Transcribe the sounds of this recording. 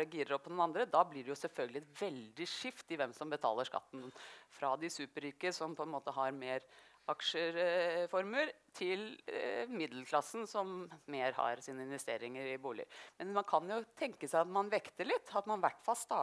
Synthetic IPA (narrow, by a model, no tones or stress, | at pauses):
ɛɡiːɾəɾɔpːɔnʊnɑnd̪ɾəd̪ɑblɪɖɛjʊsɛlfœlɡəlɪɛt̪ʋɛld̪ɪʂɪft̪ɪʋɛmsɔmbət̪ʰɑ̰ːləʂkɑ̰t̪ːn̩fɾɑd̪ɪsʉːpəɾyːkəsɔmpʰɔɛnmoːt̪əɦɑɾmeːɾɑkʂəfɔɾməɾt̪ʰɪlmɪd̪ləlkʰlɑsːn̩sɔmːeːɾhɑ̰ɾsiːnəɪnʋɛst̪ḛːɾɪŋəɾɪbuːlɪ̰mɛnmɑnkʰɑnjʊt̪ʰɛŋkəsæɪɑt̪mɑnʋɛkt̪əɭɪt̪ːɑt̪mɑnʋæʈːfɑlst̪ɑː